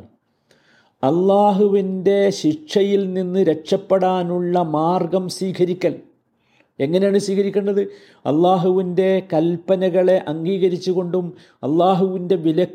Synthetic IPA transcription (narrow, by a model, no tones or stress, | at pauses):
ɐlːaːɦuʋinde̞ɕiʂɐjilninːɨɾe̞kʂɐpːeɽaːnuɭːɐmaːrɡɐmswiːkʰɐɾikʲːɐl | e̞ŋːɐnejaːɳɨsiːkʰɐɾikʲːeɳɖɐðɨ | ɐ̰lːaːɦuʋinde̞kɐlpːɐnɐɣɐɭe̞ʔɐŋɡiːɣɐɾit͡ɕːuɣo̞ɳɖum | ɐ̰lːaːɦuʋinde̞ʋilɐ